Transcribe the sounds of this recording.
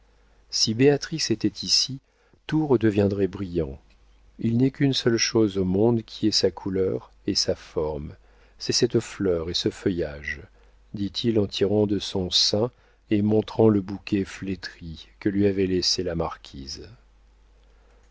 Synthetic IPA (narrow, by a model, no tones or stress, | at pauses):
sibeat̪χiset̪ɛt̪ʰisi | t̪uʁəd̪əvjɛ̃d̪ʁɛbʁijɑ̃ | ilnɛkʲynsœlʃozomɔ̃d̪kʲʰiɛsakʰulœʁ | esafɔʁm | sɛsɛt̪flœʁesəfœjaʒ | d̪it̪ʰilɑ̃t̪ʰiʁɑ̃d̪əsɔ̃sɛ̃ | emɔ̃t̪χɑ̃ləbukʲɛflet̪χikəlɥiavɛleselamaʁkʲʰiz